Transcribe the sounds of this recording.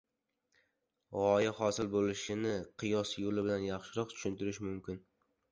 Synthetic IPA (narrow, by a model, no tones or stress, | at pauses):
ʁɒjaχɒsɪlbolɪʃɪnɪqʰɨjɒsjolɪbɪlanjɑχʃɪɾɒqt̪ʰʊ̥ʃɪnt̪ɪɾɪʃɪmʊmkʲɪn